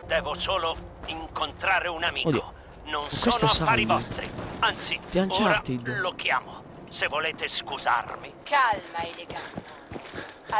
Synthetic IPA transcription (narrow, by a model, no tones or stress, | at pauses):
d̪ɛːvʊsoːloiŋkont̪ɾaːɾeunamiːod̪kio | nonkswesoːnt̪oasafaːɾivɔst̪ɾḭant̪sipjant͡ʃoːaɾat̪id̪lokjaːmʊ | sevːoleːt̪eskuza̰rmikalmaeleɡat̪a